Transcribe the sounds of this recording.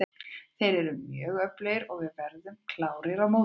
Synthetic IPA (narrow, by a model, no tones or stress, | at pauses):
θejɾɛɾʏmjœːɣœplejɾɔɣvɪðvɛɾðʏmkʰlaːwɾɪɾamow